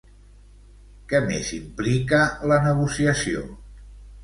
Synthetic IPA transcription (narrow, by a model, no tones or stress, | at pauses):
kɛmḛzimplikələnəɣusiəsio̰